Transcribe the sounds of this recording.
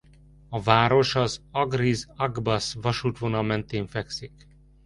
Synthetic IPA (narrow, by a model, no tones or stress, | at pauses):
ɒvaːɾo̞ʃɒzɒɡrizɒɡbɒsvɒʃuːt̪ʋonɒlmɛnt̪eːɱfɛksik